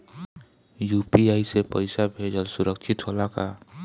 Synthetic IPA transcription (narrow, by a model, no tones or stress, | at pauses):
jupiaːisepəɪsabʱed͡ʒəlsʊɾəkt͡ʃʰɪt̪ɦolaka